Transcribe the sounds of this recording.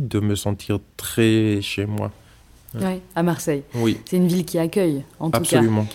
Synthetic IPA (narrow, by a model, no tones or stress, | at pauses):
d̪əməsɑ̃t̪ʰiʁt̪χɛʃemwa̰ | wɛamaʁsɛjwisɛynvilkʲiakʲœjɑ̃t̪aupsaalymɑ̃